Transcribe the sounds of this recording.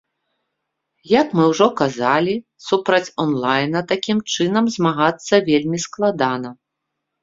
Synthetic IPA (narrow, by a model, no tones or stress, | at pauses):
jɐkmɨwʐɔkazalʲi | supɾɐt͡sʲɔnlˠajnɐt̪akʲimt͡ʂɨnɐmzmaɣat̪sːɐvʲelʲmʲisklˠad̪anɐ